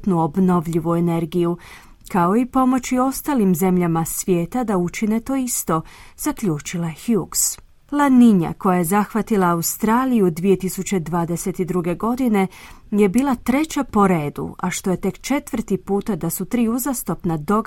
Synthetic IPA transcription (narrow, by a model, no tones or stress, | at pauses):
t̪nuo̞bno̞ʋʎiʋuene̞ɾɡiju | kao̞ipo̞mo̞t͡ɕio̞st̪alimze̞mʎamasʋje̞ːt̪ad̪aut͡ʃine̞t̪o̞ist̪o̞z̥akʎuːt͡ʃilaexjuks | lˠaniɲa̰ko̞jaje̞zaxʋat̪ilˠaːust̪ɾaːlijud̪ʋije̞t̪isut͡ɕe̞d̪ʋaːd̪e̞se̞t̪id̪ɾuɡe̞ɡo̞d̪ine̞je̞biːlˠat̪ɾe̞t͡ɕapo̞ɾe̞ːd̪ṵaʃt̪o̞je̞t̪e̞kt͡ʃe̞t̪ʋr̩t̪ipuːt̪ad̪asut̪ɾiːuzast̪o̞pnad̪o̞ɡ